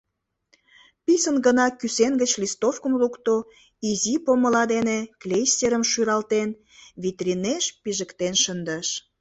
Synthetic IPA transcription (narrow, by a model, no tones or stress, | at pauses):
pisənɡənɑkysenɡət͡ɕlʲist̪ofkəmlukt̪o | izipomə̆lɑd̪eneklʲesʲeɾəmʃyɾɑlt̪en | βit̪rʲineʃpiʒə̆kt̪enʃənd̪əʃ